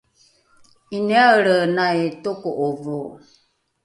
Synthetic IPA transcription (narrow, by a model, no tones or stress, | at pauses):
ineaəɾənaetokoʔovo